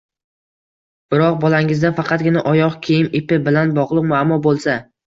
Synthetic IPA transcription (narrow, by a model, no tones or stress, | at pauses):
b̥ɪɾɒq̚bɒlaŋɪzd̪afɑqʰɑt̪̚ɡʲɪnaʔɒjɒqkʲʰejɪnɪpɪbɪlanbɒʁlˠɨqmʊamːɒbolˠsa